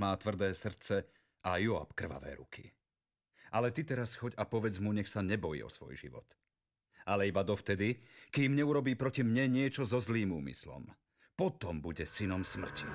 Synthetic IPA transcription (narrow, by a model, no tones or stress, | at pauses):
maːt̪ʋr̩d̪ɛːsr̩t̪t͡sɛ | ʔajua̰pkr̩ʋa̰ʋɛ̰ːɾṵkʰi | ʔalɛt̪it̪ɛɾasxɔɟapɔʋɛd͡zmuɲɛxsaɲɛbɔjḭːɔ̰sʋɔ̰jʒḭʋɔ̰t̪ | ʔalɛibad̪ɔft̪ɛd̪ikiːmɲɛuɾɔbiːpɾɔcimɲɛɲɪɛt͡ʃɔzɔzliːmṵːmḭslɔ̰m | pɔt̪ɔmbuɟɛsinɔmsmr̩cʰi